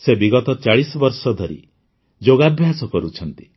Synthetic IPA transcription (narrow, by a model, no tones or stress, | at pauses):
sebiɡɔt̪ɔt͡ʃaɭisɔbɔɾsɔd̪ʱɔɾḭ | d͡ʒoɡabʱjasɔkɔɾut͡ʃʰɔnt̪i̥